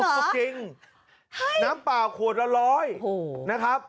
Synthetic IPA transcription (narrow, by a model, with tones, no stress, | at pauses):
t͡ɕi˨˧ŋ | naː˦˥mpaː˨˩kʰuː˨˩ət̪̚ɾa˧lɔː˦˥jna˦˥kʰɾa˦˥p̚